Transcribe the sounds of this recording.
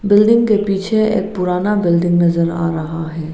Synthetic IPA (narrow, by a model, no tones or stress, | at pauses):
bɪlɖɪ̃ŋɡkepiːt͡ʃʰeḛːk̚pʊɾaːnabɪlɖɪ̃ŋɡnɐzəɾa̰ːɾɐɦaɦɛː